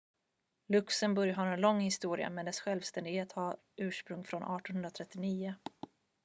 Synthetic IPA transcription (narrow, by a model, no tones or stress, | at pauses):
lɵksənbɵɾjaɦaɾɛnlɔŋːhɪst̪uːɾɪ̰a̰mɛnd̪ɛsɧɛlvst̪ɛnd̪ɪɡheːt̪haɾ | ʔʉ̟ːʂpɾɵŋːfɾɔnʔɑːʈɔnɦɵnɾat̪ʰɾɛt̪ːɪniːʊ